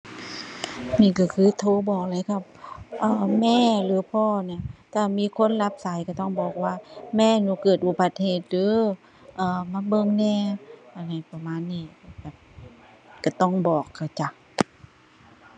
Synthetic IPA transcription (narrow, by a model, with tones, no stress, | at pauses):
niː˧˩˨ka˧˩kʰɯː˧˥˨t̪ʰoː˧˥˨bɔː˨˩k̚laː˨˦kʰa˧˩p̚ʔaː˧˩mɛː˧˥˨lɯː˨˦pʰɔː˧˥˩ni˧˩˨t̪ʰaː˧˨miː˧˥˨kʰo˧˥˨nla˧˥p̚sa˨˦jka˧˩t̪ɔ˧˥˩ŋbɔː˨˩k̚waː˧˩mɛː˧˥˨nuː˧˦kɤː˨˩t̪̚ʔu˧˩ba˧˦t̪̚heː˨˩t̪̚lɯː˨˧˦ | ʔaː˧˩ma˧˥˦bɤ˧˨ŋnɛː˧˥˨ʔa˧˩na˧˩jpa˧maː˧˥˨nːiː˧˩bɛː˨˩p̚ | ka˧˩t̪ɔ˧˩ŋbɔː˨˩kʰːa˧˩wt͡ɕa˧˩